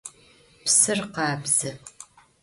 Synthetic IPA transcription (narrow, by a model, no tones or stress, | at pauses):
psɨrqɑːbz̥ɨ